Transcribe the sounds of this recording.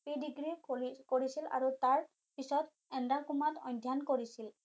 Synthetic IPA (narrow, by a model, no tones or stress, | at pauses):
pidiɡɹikoɹisila̰ɹutaɹ | pisɔt | ɛndakumatɔ̰jndʱjankoɹisil